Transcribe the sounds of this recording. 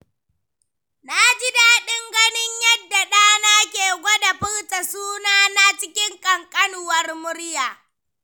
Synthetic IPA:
na˦d͡ʒɪ˦daː˨ɗɪ˦ŋɡɐ˦nɪ˦ɲjɐ˦dːa˨ɗaː˦naː˦kʲeː˨ɡʷɔ˦da˨ɸɪ˦ɽta˨suː˦naː˦na˦t͡ʃɪ˦kʲɪ˦ŋkʼɐ˨ŋkʼɐ˦nʊ˨wɐ˦rmʊ˦ɽjaː˨

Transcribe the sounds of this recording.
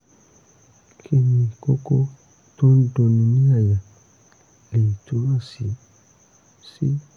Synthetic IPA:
kʰe˦ni˨kɔ˦kɔ˦ | tɔ˦n˦do˨ni˨ni˦a˨ja˨ | le˨tʰu˨˦ɾa˦si˨ | si˦

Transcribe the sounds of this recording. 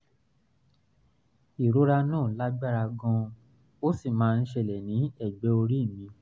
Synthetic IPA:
i˨ɾo˨˦ɾa˧nɔ̃ː˦˨la˦ɡ͡ba˦ɾa˧ɡɔ̃˧ | o˦si˦˨mãː˦˧n̩˦ʃɛ˧˨lɛ˨nĩ˨˦ɛ˦˨ɡ͡bɛ˨˦o˧ɾi˦˨mĩ˧

